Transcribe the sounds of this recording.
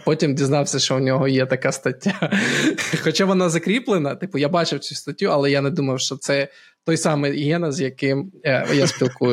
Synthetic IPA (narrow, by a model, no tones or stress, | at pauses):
pɔtʲimdʲiznɑwsʲɐʃt͡ʃɔʊnʲɔɦɔjɛt̪ɐkast̪ɐtʲːa | xɔt͡ʃaʋɔnɑzɐkɾʲiplˠenɐt̪ɪpʊjabɑt͡ʃɪwsʲust̪ɐtʲːuɐlˠɛjanɛd̪umɐwʃt͡ʃɔt̪sɛ | t̪ɔjsɑmɪjɦɛnɐzjɐkɪmjasʲpʲilˠkujʊ